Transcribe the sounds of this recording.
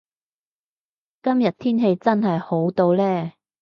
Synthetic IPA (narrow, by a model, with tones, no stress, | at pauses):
kɐ˥mjɐ˨t̚t̪ʰiː˥nɦe˧jt͡sɐ˥nɦɐ˨jho˨˥wt̪o˧wlɛː˥